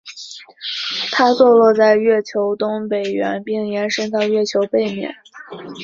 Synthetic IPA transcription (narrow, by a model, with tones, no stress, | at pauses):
t̪ʰa˥t͡swɔ˥˧lwɔ˥˧t͡sa˥˧ɪɥɛ˥˩t͡ɕʰjo˧˥ʊt̪ʊ˥ŋpe˨˩ɪɥɛ̰˧˥npi˥˩ŋjɛ˧˥nʂɤ˥ŋt̪ɑ˥˧ʊɥɛ˥˩t͡ɕʰjo˧˥ʊpe˥˩ɪmjɛ̰˨˩˦n